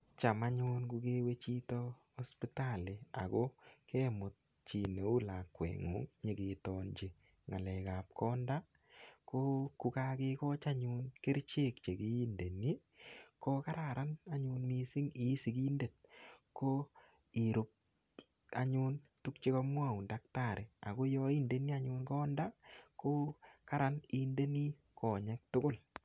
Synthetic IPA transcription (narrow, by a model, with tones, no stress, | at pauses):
t͡ʃa˨ma˦ɲʊ˦nku˧ke˦we˦t͡ʃi˦tɔ˦ | ɔ˦spi˦talɪ˨a̰˨kɔ˦kʰɛ˦mʊ˨t̚ | t͡ʃi˨ne˨u˦la˨kːwɛ̰˨ŋṵ˨˦ŋɲe˨ke˨tɔnt͡ʃe˨ | ŋa˨lɛ˨ka˨p̚kʰɔ˦nda˦ | ko˦ku˦kake˦kɔ˦t͡ʃa˦ɲʊ˦nke˦ɾt͡ʃe˦k̚t͡ʃe˨ki˦i˦nde˨ni˦ | ko˦ka˦ɾa˨ɾʔa˦na˦ɲu˧nmi˦sɪ˦ŋi˦si˨ki˦nde˨t̚ko˦ | i˨ɾʊ˦p̚ | a̰˨ɲʊ˦ntu˦k̚t͡ʃe˦kɔ˦mwa˦˨u˨ndak̚ta˨ɾe˨a̰˨ko˦jɔ˦i˦nde˨ni˦a˦ɲʊ˦nkɔ˦nda˦ko˦ka˦ɾa˨ni˦nde˦ni˦ | kɔ˨ɲɛ˦k̚tʊ˦ɡʊ˦˨l